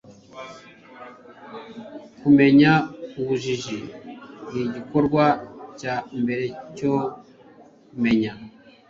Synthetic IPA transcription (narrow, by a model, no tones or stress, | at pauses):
kume̞ɲauβuʒiʒiniɟikoɾɡwacambe̞ɾe̞co | me̞ɲa